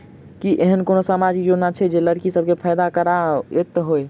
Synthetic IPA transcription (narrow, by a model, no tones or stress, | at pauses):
kiʔeɦənkonosamad͡ʒikjod͡ʒnat͡ʃʰɛd͡ʒeləɽkisəb̚ʱkepʰəjd̪akəɾaet̪ɦoj